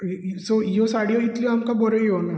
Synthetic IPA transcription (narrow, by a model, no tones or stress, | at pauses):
sojosaɽijoit̪lioamkabɔɾejona